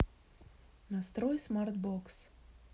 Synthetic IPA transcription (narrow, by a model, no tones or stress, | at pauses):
nast̪ɾɔjsmaɾt̪bɔks